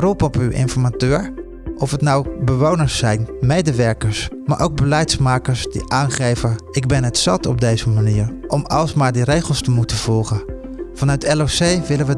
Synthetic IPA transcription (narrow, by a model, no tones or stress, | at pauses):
rupɔpywʔɪ̰nfɔɹmatøːɹ | ʔɔfətnawbəʋownəɹsːɛjnmejdəʋɛɹkəɹsmaːɹʔowɡ̚bəlɛjtsmaːkəɹsdḭʔaːnχejvəɪɡ̚bɛnətsɑtɔb̚dejzəmaniːɹʔɔmɑlˠsmaːɹdiɾejχəlˠstəmutəv̥ɔlˠχə | fɑnœɥtʰɛlosejʋɪlənʋə